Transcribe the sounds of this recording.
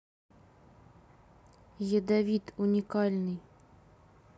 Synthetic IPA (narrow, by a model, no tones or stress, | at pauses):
jəd̪avʲit̪unʲikalʲnɨj